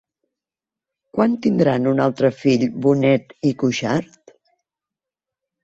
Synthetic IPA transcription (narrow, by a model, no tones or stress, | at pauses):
kwant̪ind̪ɾanunalˠt̪ɾəfiʎβunɛt̪ikuʒaɾt̪